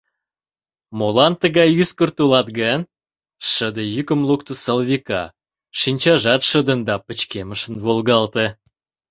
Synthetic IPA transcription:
molɑnt̪əɣɑjyskərt̪ulɑt̪ɡɑn | ʃəd̪əjykəmlukt̪əsəlvikɑ̰ | ʃinʲt͡ɕɑʒɑt̪ʃəd̪ə̆nd̪ɑpət͡ɕkeməʃənvolɣɑlt̪e

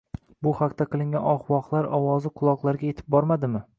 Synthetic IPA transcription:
bʊhaqt̪ʰaqʰɨlˠɪŋɡʲanɒχwɒqlˠaɾɒwɒzɪqʰʊlˠɒqlˠaɾɡʲaje̞t̪ʰɪ̥p̚bɒɾmad̪ɪmɪ

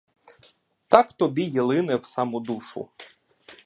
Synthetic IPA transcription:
t̪ɑkt̪ɔbʲijilˠɪnɛwsɑmud̪uʃʊ̰

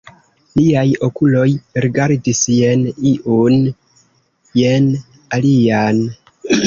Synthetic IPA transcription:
liajo̞kulo̞jɾiɡaɾdisjeniʔun | jen | alian

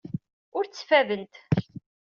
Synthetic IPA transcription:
ʊɾt͡sːəfævənt̪

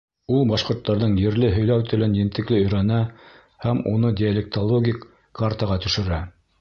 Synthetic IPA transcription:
ulˠbɑʃqŏɾt̪ːɑɾðɤɴjɘ̆ɾlɘɦɵ̆jlæwt̪ɘ̆lɘnjɘ̆nt̪ɘ̆klɘɵ̆jɾænæ | hæmṵnɤdʲɪalʲek̚t̪olˠoɡʲik | kʰːaɾt̪ɑʁɑt̪ɵ̆ʃɘ̆ɾæ

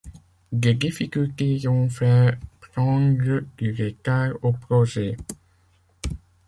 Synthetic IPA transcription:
d̪ed̪ifikʲylt̪eɔ̃fɛpχɑ̃d̪ʁəd̪̥yʁekaʁopʁɔʒɛ

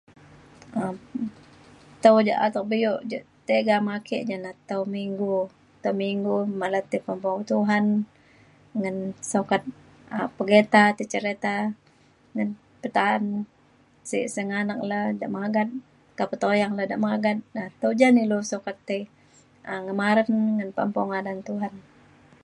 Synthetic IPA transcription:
ə | t̪awd͡ʒa̰ʔa̰t̪ak̚bijoʔd͡ʒaʔt̪eɡamakḛʔd͡ʒanat̪awmiŋɡu | t̪awmiŋɡumalat̪ipəmbaut̪uɦan | ŋənsokat̪̚ | əpəɡet̪at̪ət͡ʃəɾet̪a | ŋən | pət̪aːn | sḭʔsəŋanak̚lada̰ʔmaɡat̪̚ | kapət̪ojaŋlada̰ʔmaɡat̪̚at̪awd͡ʒanilosokat̪ːe | əŋəmaɾənŋənpə̰mpɔŋadant̪uɦan

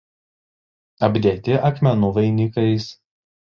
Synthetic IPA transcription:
ɐbʲd̪ʲeːt̪ʲɪʔɐkmʲɛnʊʋɐɪnʲɪkɐɪs

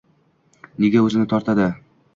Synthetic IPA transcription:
neɡʲaɵzɪnɪt̪ʰɒɾt̪ʰad̪ɪ

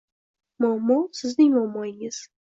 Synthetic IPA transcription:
mɒmːɒsɪznɪŋmɔmːɒjɪŋɪz̥

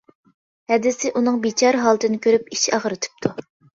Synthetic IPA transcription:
hɛd̪ɪsɪʔunɨŋbit͡ʃʰɑɾɦɑlˠt̪ʰɨnɪkʲʰøɾypiʃɑʁəɾɨt̪ʰɨ̥p̚t̪ʰu

